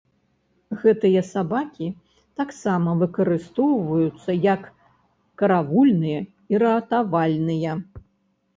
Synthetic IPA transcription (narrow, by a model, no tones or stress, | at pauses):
ɣɛt̪ɨjɐsabakʲi | t̪aksamɐvɨkɐɾɨst̪ɔwvɐjut̪sːɐjɐkː | ɐɾavulʲnɨjɐ | iɾɐɐt̪avalʲnɨjɐ